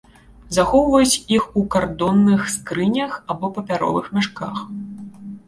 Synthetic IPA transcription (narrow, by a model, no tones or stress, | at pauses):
zaxɔwvɐjut͡sʲixukard̪ɔnːɨxskɾɨnʲɐxabɔpɐpʲaɾɔ̰vɨxmʲaʂka̰x